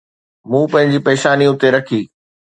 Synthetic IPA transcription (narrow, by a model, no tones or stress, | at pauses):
mũːpɐ̃ɦɪ̃ɲ̆d͡ʑipeːʃaːniʊt̪eɾɐkʰiː